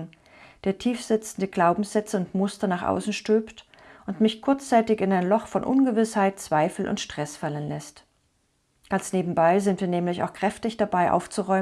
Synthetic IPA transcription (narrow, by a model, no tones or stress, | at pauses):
d̥eːɐtʰiːfz̥ɪt͡sn̩dəɡlaʊbm̩sz̥ɛt͡səʊntmʊstɐnaːχʔa̰ʊsn̩ʃtøːpt | ʔʊntmɪçkʰʊɐt͡st͡saɪtɪçɪnaɪnlɔχfɔnʔʊnɡəvɪshaɪtt͡sv̥aɪfl̩ʔʊ̰ntʃtʁ̥ɛsfalənlɛst | ɡ̥ansneːbm̩baɪzɪntv̥iːɐnɛːmlɪça̰ʊxkʁ̥ɛftɪçd̥abaɪʔa̰ʊft͡suʁɔʏ